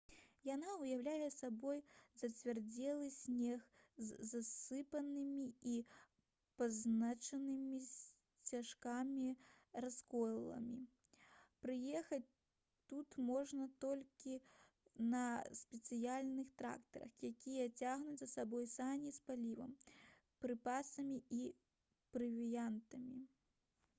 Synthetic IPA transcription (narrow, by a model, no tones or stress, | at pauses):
janaujawlʲajɛsabɔjzɐt͡sʲvʲard͡zʲɛlˠɨsʲnʲɛxzzasɨpɐnɨmʲii | paznat͡ʂɐnɨmʲi | t͡sʲaʂkamʲiraskɔjlˠɐ̰mʲi | pɾɨjɛxɐt͡sʲ | t̪ut̪mɔʐnɐt̪ɔlʲkʲi | nɐsʲpʲɛt̪sɨjalʲnɨxt̪ɾa̰kt̪ɐɾɐ̰xjakʲijɐt͡sʲaɣnut͡sʲzɐsabɔjsamʲispalʲivɐ̰m | pɾɨpasɐmʲii | pɾɨvʲijant̪ɐmʲi